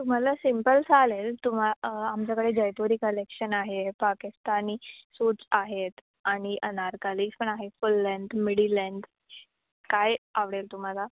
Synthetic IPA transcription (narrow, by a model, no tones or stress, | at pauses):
t̪um̤alasimpəlsalelt̪um̤aamt͡ɕjakəɽed͡ʑəjt̪uɾiːkəlekɕənaɦepakist̪aniːsuːʈsaɦet̪ | aɽ̃iʔənaɾkalikspəɳaɦefulːəɳɖmiɽilɛɳɖ | kajaʋɽelt̪um̤ala